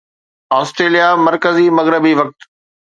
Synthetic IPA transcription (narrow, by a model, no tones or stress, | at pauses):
aːsʈɾeːlijamɐɾkəzimɐɣɾɪbiʋɐk̚t̪